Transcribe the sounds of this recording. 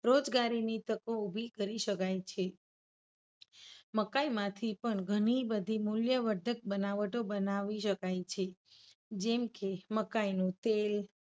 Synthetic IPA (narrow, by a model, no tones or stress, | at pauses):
ɾod͡ʒɡaɾinit̪əkõubʱikəɾiʃəkajt͡ʃʰe | məkaimãt̪ʰipəɳɡʱəɽ̃ibəd̪ʱimuljəʋəɾd̪ʱək̚bənaʋəʈobənaʋiʃəkajt͡ʃʰe | d͡ʒɛmkeməkainũt̪el